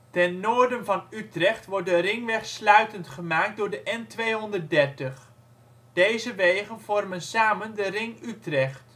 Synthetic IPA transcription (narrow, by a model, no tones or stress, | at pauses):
tɛnːoːɹdənvɑnytrɛχtʋɔɹt̚dərɪŋʋɛχslœɥtəntχəmaːk̚dʊːɹdəʔɛntʋejɦɔndəɹ̚dɛɹtəχ | d̥ejzəʋejχənv̥ɔrmənsaːməndərɪŋytrɛχt